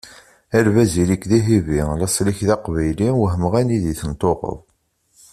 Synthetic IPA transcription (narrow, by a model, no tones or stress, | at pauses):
ælvæzilikðiɦivilæsˤliçðɑqvæjliwəɦəməʁæniðiθənt̪ˤoqə̰ðˤ